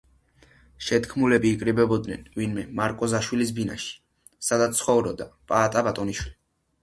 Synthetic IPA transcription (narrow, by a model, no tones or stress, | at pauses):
ʃɛt̪kʰmulɛbiːkʼɾibɛbɔd̪nɛnvinmɛmaɾkʼɔzaʃwilisbina̰ʃi̥ | sad̪at̪sχɔvɾɔd̪apʼaːt̪ʼabat̪ʼɔniʃwili